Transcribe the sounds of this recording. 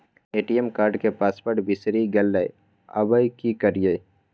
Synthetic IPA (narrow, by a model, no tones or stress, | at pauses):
eːʈijemkaːɾɖkepaːspəʈbɪsɾiɡɛlːəj | ɐ̰bəjkikəɾije